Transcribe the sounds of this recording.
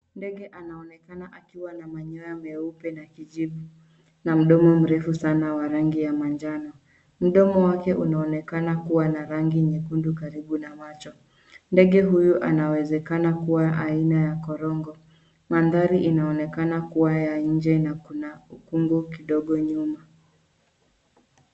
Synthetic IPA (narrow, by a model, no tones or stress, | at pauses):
ndɛɠɛʔanaɔnɛkanaʔakiwanamaɲɔjamɛupɛnakiʄiɓu | nam̩ɗɔmɔm̩ɾɛfusanawaɾaŋɡijamand͡ʒanɔ | m̩ɗɔmɔwakɛʔunaɔnɛkanakuwanaɾaŋɡiɲɛkundukaɾiɓunamat͡ʃɔ | ndɛɠɛɦujuʔa̰nawɛzɛkanakuwaʔainajakɔɾɔŋɡɔ | manðaɾiʔinaɔnɛkanakuwajaɲ̩d͡ʒɛnakunaukuŋɡukiɗɔɠɔɲuma